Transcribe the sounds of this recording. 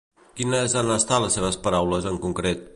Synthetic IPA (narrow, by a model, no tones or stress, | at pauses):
kinəzanəst̪aləsːeβ̞əspəɾawləzəŋkuŋkɾet̪̚